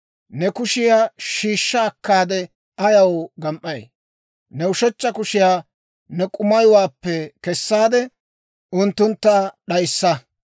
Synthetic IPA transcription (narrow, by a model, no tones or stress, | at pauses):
nɛkʊʃɪjaːʃiːʃːaːkːaːd̪ɛ | ʔɐjɐwɡɐmʔɐj | nɛʊʃɛt͡ʃːɐkʊʃɪjaː | nɛkʼʊmɐjʊwaːpːɛkɛsːaːd̪ɛ | ʔʊnt̪ːʊnt̪ːaɗɐjsːɐ